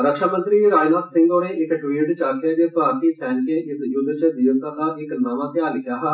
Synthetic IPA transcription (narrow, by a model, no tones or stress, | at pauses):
ɾəkʃaːmə̃nt̪ɾieɾaːd͡ʒnaːt̪sɪ̃ŋɡoːneʔɪkʈʋiːʈt͡ʃaːkʰad͡ʒepaːɾt̪iːsɛːnkeɪsjʊd̪t͡ʃed̪iːəɾt̪akaːbikəlnaːmãt̪eaːlɪkʰjaːɦɛ